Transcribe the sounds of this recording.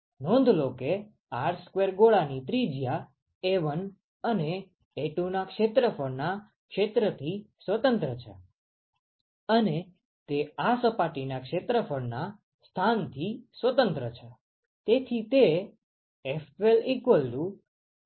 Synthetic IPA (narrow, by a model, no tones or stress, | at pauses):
nɔ̃nd̪ʱloke | aɾskʋeɾɡoɭanit̪ɾid͡ʒja | eʋən | əneː | ʈunakʃet̪ɾəfəɾna | kʃet̪ɾət̪ʰisʋət̪ənt̪ɾət͡ʃʰḛ | əne | t̪easəpaʈinakʃet̪ɾəfʰəɾna | st̪ʰant̪ʰisʋət̪ənt̪ɾət͡ʃʰe | t̪et̪ʰit̪eː | felikʋəlɖu